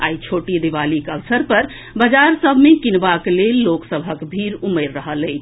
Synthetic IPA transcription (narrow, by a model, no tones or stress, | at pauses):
a̰it͡ʃʰoʈid̪eβalikəbsəɾpəɾ | bəd͡ʒaɾsəbʱmekinbaklelːoksəbʱəkbʱiɾuməɾːəɦəlɛjt͡ʃʰ